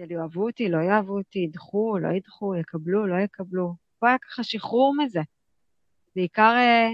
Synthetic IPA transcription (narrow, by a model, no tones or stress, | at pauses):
eljoavut̪ilo̞joavutiidχulo̰jid̪χujekablulo̞jekablu | boajakḁχaʃiχuʁmize̞ | beikaʁe